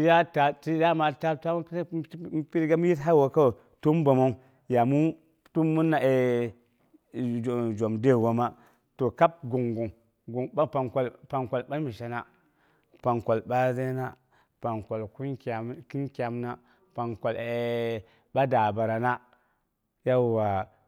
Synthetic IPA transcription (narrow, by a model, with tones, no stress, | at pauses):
i˦ja˦ta˨ti˦ja˦ma˨ta˦ta˦pi˦ɾɡa˦m˦ji˦tɦa˦wo˨ko˦˨ | tu˦m˦ba˨mo˦u˦ | ja˨mu˦ | tu˦mːu˦nːa˨e˨ | d͡ʒo˨mde˦˨wo˨˦ma˦ | to˨ka˦p̚ɡu˨ŋɡu˨ŋ | ɡu˨a˦pa˨ŋko˨lpa˨ŋkʷo˨lɓa˦mi˨ʃa˨na˦ | pa˨ŋko˨lba˦ze˦na˦ | pa˨ŋko˨lku˦nka˨m˦ki˦nkʲa˨mna˦ | pa˨ŋko˨le˨ | ɓa˦da˨ba˨ɾa˨na˦ | ja˦˨wa˨